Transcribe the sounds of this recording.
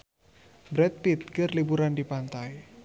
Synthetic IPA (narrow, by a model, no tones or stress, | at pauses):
bɾɛt̪̚pit̪̚kərlibuɾandipant̪aj